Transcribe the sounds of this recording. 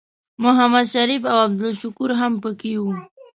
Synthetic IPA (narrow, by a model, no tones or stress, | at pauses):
mʊɦamad̪ʃaɾifawab̚d̪ʊlʃʊkuɾɦampəkewu